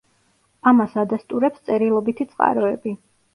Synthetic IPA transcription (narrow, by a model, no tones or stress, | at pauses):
amasad̪ast̪ʼuɾɛpst̪sʼɛɾilˠɔbit̪ʰit̪sʼqʼa̰ɾɔɛbi